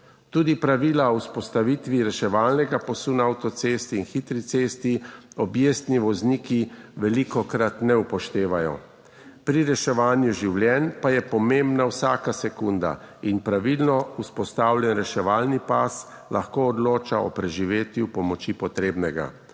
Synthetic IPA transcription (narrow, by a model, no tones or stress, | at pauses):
t̪uːd̪ipɾaʋiːlaɔwspɔst̪aʋit̪ʋiɾɛʃɛʋaːlnɛɡapɔsunaawt̪ɔt̪seːst̪iːnxit̪ɾit̪sest̪iɔbjeːst̪niʋɔzniːkiʋɛlikɔkɾat̪nɛupɔʃt̪eːʋajɔ̰ | pɾiɾɛʃɛʋaːnjuʒiwljɛnpajɛpɔmembnawsaːkasɛkund̪a̰inpɾaʋilnɔuspɔst̪aːwljɛnɾɛʃɛʋaːlnipas | laxkoːd̪loːt͡ʃaɔ̰pɾɛʒiʋeːt̪jupɔmɔt͡ʃipɔt̪ɾeːbnɛɡa̰